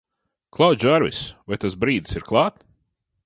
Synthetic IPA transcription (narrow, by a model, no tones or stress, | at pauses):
klˠawt̪ʲʒaɾvḭsvajt̪asbɾiːd̪siɾklˠɑːt̪